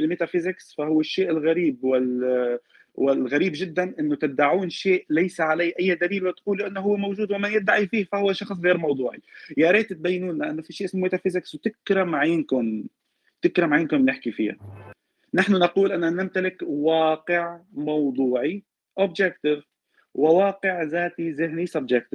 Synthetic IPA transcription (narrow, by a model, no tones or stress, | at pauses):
ɪlmeːt̪afɪzɪksfahʊwːɪʃːeːʔɪlɣaɾiːbwɪl | wɪlɣaɾiːbʒɪd̪ːanʔɪnːʊt̪ɪaʕuːnʃeːʔlajsaʕalajːʔajːad̪aliːlwɪt̪quːlʔanːʊɦʊwːemowʒuːd̪wɪmanjɪt̪̚ːaʕifiːhfahʊwːaʃɑxsˤɣeːɾmɑwd̪ˤuːʕijaɾˤeːt̪ɪt̪̚bajːnuːnlɪʔanːʊfiʃiːʔɪsmmʊt̪afizakswt̪ɪkɾamaʕjːnkʊn | t̪ɪkɾˤamaʕjɪnkʊnnɪħkifḭːa̰ | naħnʊnɑquːlʔanːanɪmt̪alɪkwɑːqɪʕmɑwd̪ˤuːʕi | ʔobd͡ʒɛk̚t̪ɪv | wɪwɑːqɪʕzaːt̪izɪɦnisabd͡ʒɪk̚t̪ɪv